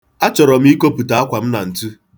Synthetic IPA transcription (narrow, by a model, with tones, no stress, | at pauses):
a˦t͡ʃɔ˨ɾɔ˨m̩˦i˦ko˦pu˨ta˨a˦kʷa˨m̩˦na˨n̩˨tu˦